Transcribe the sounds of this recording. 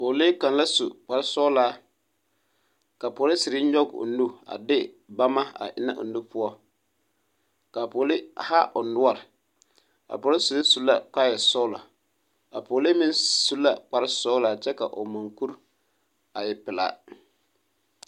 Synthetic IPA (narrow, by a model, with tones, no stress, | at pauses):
poː˨le˦ka˨nla˦su˨k͡pa˨ɾɪ˦sɔ˦laː˦ | ka˨poː˨lɪ˦sɪ˨ɾɪ˦ɲɔ˦ɡo̰˨nu˦a̰˨dɪ˦ | ba˦ma˦a̰˨ʔɪ˦na̰˦ʔʊ̰˨nːu˦pʊ˦ɔ˦ | ka˨po˨lɪ˦ha˦ʔʊ˨nʊ˦a˦˨ɾɪ˨ | a̰˨po˨˦lɪ˦su˨li˦su˨lːa̰˦k͡pa˦jɛ˨sɔ˦la̰˨ | a̰˨poː˨le˦mɪ˦nsu˦lːa˨k͡pa˨ɾɪ˦sɔ˦laː˨t͡ʃɛ˦ka̰˨ʔo˨ma˨ŋku˦ɾ | a˨jɪ˨pɪ˨la̰ː˨